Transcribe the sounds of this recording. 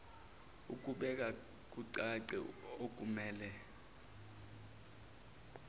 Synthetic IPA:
uk̬ʼuɓɛk̬ʼa | k̬ʼuǀaǀɛ̰ok̬ʼumɛːlɛ

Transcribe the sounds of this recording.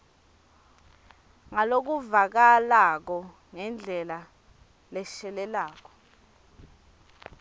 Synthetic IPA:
ŋalok̬uvak̬alak̬ɔ | ŋɛnd͡ɮʱɛla | lɛʃɛlɛlaːk̬ɔ̥

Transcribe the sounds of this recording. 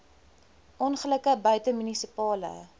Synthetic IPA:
ʔɔnχələkəbœɥtəmynisipɑːlə̰

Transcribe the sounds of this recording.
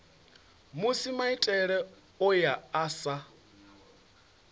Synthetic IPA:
musimaitʼɛɺɛ | ɔjaːsa

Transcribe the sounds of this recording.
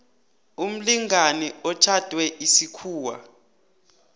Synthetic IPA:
um̩liŋaniɔt͡ʃʰad̥ʱwɛʔisikʰuːwa̰

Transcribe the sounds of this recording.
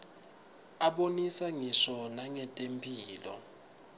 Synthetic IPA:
aɓonisaŋisɔnaŋɛtʼempʰʼiːlɔ̰

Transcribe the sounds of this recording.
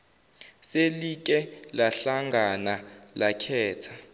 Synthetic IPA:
selik̬ʼɛlaɬaŋɡʱanalakʰɛːtʰḁ

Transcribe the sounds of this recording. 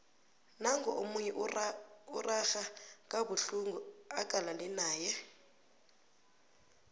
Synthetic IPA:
naŋɡɔʔomuɲɛ | urʔaxakʼabuɬuŋɡuakʼalanɛnaːjɛ

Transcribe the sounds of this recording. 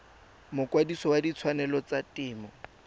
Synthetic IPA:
mʊkʼwadisɔwadit͡sʰwanɛlɔt͡satʼɪːmɔ

